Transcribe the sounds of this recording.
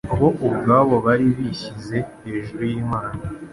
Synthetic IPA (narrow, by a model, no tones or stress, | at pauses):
aβo̞ʔuβɡaːβo̞βaɾiβiçize̞he̞ʒuɾujiːmaːna